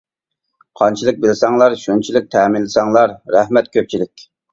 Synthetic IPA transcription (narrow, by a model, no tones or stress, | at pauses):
qʰɑnt͡ʃʰilˠɨk̚bɪlɪsɑŋlˠɑɾʃunt͡ʃʰilɪk̚ʲt̪ʰɛːmɪnlːɪsɑŋlˠɑɾːɛhmɛt̪̚kʲʰøp̚t͡ʃʰilɪkʲ